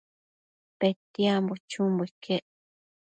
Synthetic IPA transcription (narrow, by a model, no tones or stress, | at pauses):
pet̪iambot͡ʃumbuikʰeʔ